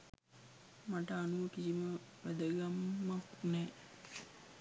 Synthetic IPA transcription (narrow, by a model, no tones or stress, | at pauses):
maʈəanuʋəkisimə | ʋæd̪əɡamːaknɛː